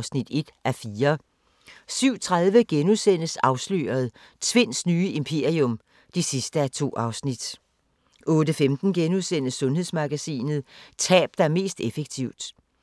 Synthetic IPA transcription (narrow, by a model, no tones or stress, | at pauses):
snid̥e̝d̥ʔæɐfiːɐ | syʊ̰t͡sʰʁað̞ˠʋəɡ̥enusen̰əsɑ̈ʊslø̰ːɐð̞̩ˠ | t͡sʰʋe̝n̰snyːəʔimpʰe̝ɐ̰iɔ̽m | d̥isisd̥əæt͡sʰo̝̰ːʔɑ̈ʊsnid̥ | ʔɔ̽ːdəfemd̥n̩ɡ̥enuðˠsen̰əsːɔ̽nɦe̝ð̰ˠsmɑ̈ɡ̥æsḭːnð̩ˠt͡sʰɛ̰ːb̥̚d̥æɐme̝̰ːsd̥efeɡ̥̚t͡sʰiʊd̥